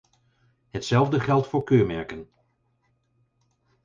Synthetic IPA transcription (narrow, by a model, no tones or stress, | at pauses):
ɦətsɛlˠvdəχɛlˠtfʊːɹkøːɹmɛɹkən